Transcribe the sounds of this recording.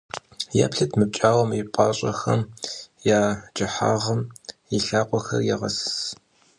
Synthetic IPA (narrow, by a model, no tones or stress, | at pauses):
ja̰ːpɬɐtʰmɨp̚t͡ʃʼaːwɔmipʷʼɑːɕʼɐ̰xɐ̰mjaːd͡ʒʼɪħa̰ːʁɐmɪɬaːqʷʼɔxɐ̰rjɛʁɐss